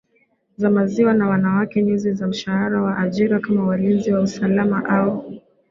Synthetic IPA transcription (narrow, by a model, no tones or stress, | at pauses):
zamaziwanawanawakɛɲuzizam̩ʃahaɾawaʔaʄiɾakamawalinziwausalamaʔau